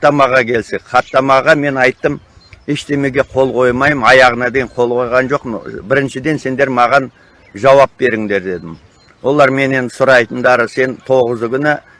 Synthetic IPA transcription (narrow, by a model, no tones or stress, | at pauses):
t̪ːɑmɑʁɑkʲʰe̞lsekqʰɑt̪ːɑmɑʁɑme̞nɑjt̪ːəm | eʃt̪e̞me̞ɡʲe̞qʰo̞lˠqʰo̞jmɑjmɑjɑʁənɑd̪e̞jɪɴqʰo̞lˠqʰo̞jʁɑnʒo̞qmbɪɾɪnʃɪd̪e̞nse̞nd̪e̞ɾmɑʁɑn | ʒɑwɑp̚be̞ɾɪŋd̪e̞ɾd̪e̞d̪ɪm | wo̞lˠɑɾme̞ne̞nd̪ɪsʊɾɑjt̪ənd̪ɑɾəse̞nt̪ʰo̞ʁəzəkʲʏnɪ